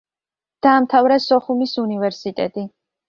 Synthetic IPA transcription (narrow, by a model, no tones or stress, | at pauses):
d̪̥aːmt̪ʰavɾasɔχumisunivɛɾsit̪ʼɛt̪ʼi